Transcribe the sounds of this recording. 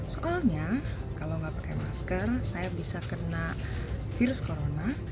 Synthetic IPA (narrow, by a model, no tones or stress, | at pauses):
soʔalɲakalawŋɡapakajmaskərsajabisakənafiɾʊskoɾona